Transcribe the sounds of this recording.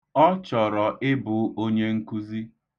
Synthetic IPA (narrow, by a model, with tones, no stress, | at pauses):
ɔ˦t͡ʃɔ˨ɾɔ˨ʔɪ˦bʊ˨o˦ɲe˦ŋ̩˦ku˦zi˦